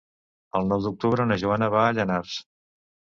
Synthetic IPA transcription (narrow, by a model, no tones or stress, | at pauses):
əlˠnɔwd̪uk̚t̪uβɾəunəʒuanəβaːʎənars